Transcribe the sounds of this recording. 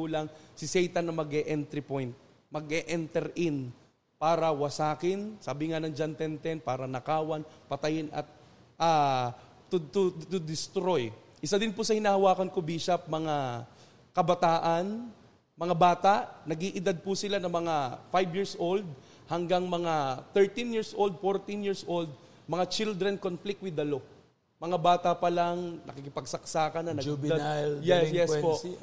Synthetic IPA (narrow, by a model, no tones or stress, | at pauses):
ulɐŋsɪsɛjt̪ɐnɐmɐɡʔɛʔɛnt̪ɾɪpojnt̪̚ | mɐɡʔɛʔɛnt̪ɛɾʔɪn | paːɾɐwɐsaːkɪnsaːbɪŋanɐnd͡ʒɐnt̪ɛnt̪ɛnpaːɾɐnɐkaːwanpɐt̪ɐjɪnɐ̰t̪̚ | ʔaː | ʊt̪ʊt̪ʊd̪ɪst̪ɾo̞j | ʔɪsad̪ɪnpʊsɐhɪnaːhɐwaːkɐnkobiːʃap̚mɐŋa | kɐbɐt̪aːʔɐn | mɐŋabaːt̪aʔnɐɡiʔɪd̪ad̪̚pʊsɪlanɐmɐŋafajbjiɹsʔold̪̚ | hɐŋɡaŋmɐŋat̪ɛɹt̪injiɹsʔold̪̚foɹt̪injiɹsʔold̪̚ | mɐŋat͡ʃɪld̪ɾɛnkonflɪk̚t̪wɪd̪ɐlo | mɐŋabaːt̪ɐpɐlaŋnɐ̰kɪkɪpɐɡ̚sɐk̚saːkɐnɐnɐɪb̪ad̪ljɛjɛspo